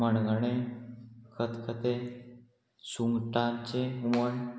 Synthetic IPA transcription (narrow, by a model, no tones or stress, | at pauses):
məɳɡəɽe | kʰət̪kʰət̪e | suŋɡʈãt͡ɕeɦuməɳ